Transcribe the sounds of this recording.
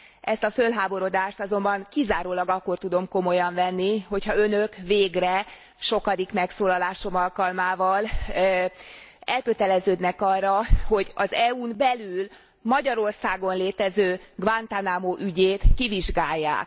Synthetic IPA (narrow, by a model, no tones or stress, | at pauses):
ʔɛst̪ɒfølɦaːbo̞ɾo̞d̪aːʃt̪ɒzo̞mbɒŋkizaːɾoːlɒɡɒkːo̞rt̪ud̪o̞mko̞mo̞jɒɱvɛnːiho̞cʰhɒø̞nøkveːɡrɛ | ʃo̞kɒd̪ikmɛksoːlɒlaːʃo̞mɒlkɒlmaːvɒl | ɛlkøt̪ɛlɛzøːd̪nɛkɒrːɒho̞ɟɒzɛuːnbɛlyl | mɒɟɒɾo̞rsaːɡo̞nleːt̪ɛzøːɡvant̪anaːmoʔyɟeːt̪kiviʒɡaːjːa̰ːk